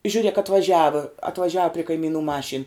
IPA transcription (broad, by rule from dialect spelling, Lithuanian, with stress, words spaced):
ʒʲʊˈrʲeːk ɐtʋɐˈʒʲæːʋɐ ɐtʋɐˈʒʲæːʋɐ pʲrʲɪ kɐɪˈmʲiːnʊ ˈmɑːʃʲiːn